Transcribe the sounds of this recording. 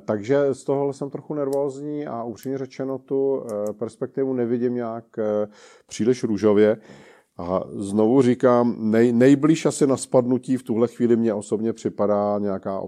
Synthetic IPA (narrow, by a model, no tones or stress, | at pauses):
t̪aɡʒɛst̪oɦoɦlɛsɛmt̪ɾo̞xunɛɾvo̞ːzɲiːʔaʔupr̥imɲɛrɛt͡ʃɛnot̪upɛɾspɛk̚t̪ɪvunɛvɪɟɪmɲaːk | pr̝̥iːlɪʃɾuʒo̞vjɛ | ʔa̰zno̞vurɪkaːmnɛjnɛjbliːʃʔasɪnaspadnuciːft̪uɦlɛxviːlɪmɲɛʔo̞sobɲɛpr̝̥ɪpadaːɲɛjakaːʔo̰